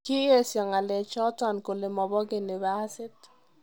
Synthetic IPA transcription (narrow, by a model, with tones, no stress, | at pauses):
ki˦je˦sjɔ˨ŋa˨le˨t͡ʃɔ˦tɔ˨nko˨le˨mɔ˨bɔ˦ɡe˨ni˨βa˦sɪ˦t